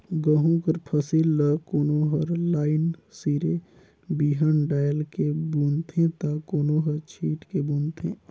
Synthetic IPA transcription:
ɡəɦũkəɾpʰəsilːəkoːnoɦəɾlaːɪnsiːɾe | biːɦənɖaːjəlkebuːnt̪ʰẽt̪akoːnoɦəɾt͡ʃʰiːʈkebuːnt̪ʰḛ̃ː

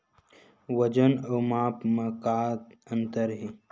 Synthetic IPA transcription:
wɐd͡ʒənoːmaːpmɐkaːt̪ɐnt̪əɾɦi

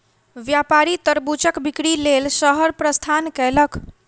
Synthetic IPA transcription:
ʋjapaɾit̪əɾbut͡ʃəkbikɽilelsəɦəɾpɾəst̪ʰankɛlək

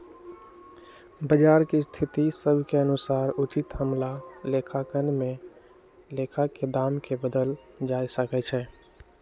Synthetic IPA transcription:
bəd͡ʒaːɾkist̪ʰit̪isəbʱkeənʊsaːɾut͡ʃɪt̪həmlalekʰakənmẽ | lekʰaked̪aːmkebəd̪əl | d͡ʒaːisəkɛt͡ʃʰɛː

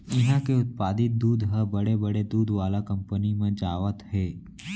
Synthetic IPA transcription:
ɪɦãkeʊt̪̚paːd̪ɪt̪̚d̪uːd̪ɦəbɐɽebɐɽed̪uːd̪ʋaːlakɐ̃mpənimẽd͡ʒaːʋət̪ɦɛː

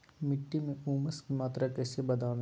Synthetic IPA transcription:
mɪʈːimẽuːməskimaːt̪ɾakɛːsebɐd̪aːn

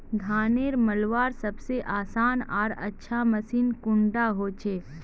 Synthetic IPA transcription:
ɡʱaːneːɾməlʋaːɾsɐbseʔaːsaːnɔːɾətːʃʰaməsiːnkʊ̃ɳɖaɦot͡ʃʰeː

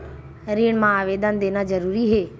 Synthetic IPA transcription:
ɾiːɽ̃mãaːʋeːd̪and̪eːnazɐɾuːɾiɦeː

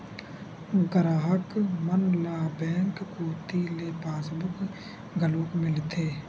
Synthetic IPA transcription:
ɡəɾaːɦəkmənlaːbɛ̃ːŋkkuːt̪ileːpaːsbʊk | ɡəluːkmɪlt̪ʰeː

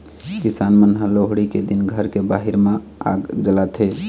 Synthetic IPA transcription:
kisanmənɦaloɦɽiked̪inɡʱəɾkebaɦiɾmẽ | a̰ɡd͡ʒəlat̪ʰe

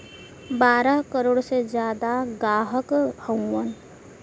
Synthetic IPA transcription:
baːɾəɦkəɾoːɽsed͡ʒjaːd̪aɡaːɦəkhə̃wːən

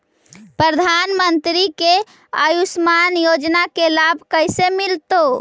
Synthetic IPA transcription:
pɾəd̪ʱanmənt̪ɾike | əjusmanjod͡ʒnakelabʱkəɪsemilt̪o

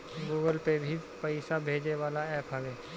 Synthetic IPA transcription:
ɡuːɡəlpebʱipəɪsabʱeːd͡ʒeʋaːlaɛːpɦɐʋeː

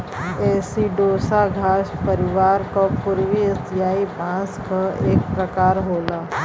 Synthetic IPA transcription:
ɛːsiɖoːsaɡʱaːʃpəɾɪʋaːɾkopʊɾʋiɪsijaːipãːskaeːkpɾəkaːɾɦoːlaː

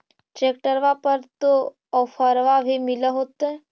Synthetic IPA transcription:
t͡ʃeːk̚ʈəɾʋapəɾt̪o | ɔfʰəɾʋabʱimɪləɦoːt̪ɦɛ

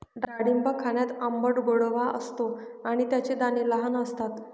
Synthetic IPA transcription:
ɖaɽimbakʰaɳjat̪əmbəʈboɽʋaʔə̰st̪oaɽ̃it̪jat͡ɕed̪aniləɦanəst̪at̪

